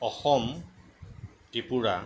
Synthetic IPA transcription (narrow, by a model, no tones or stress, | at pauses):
ɔxɔm | tipuɹa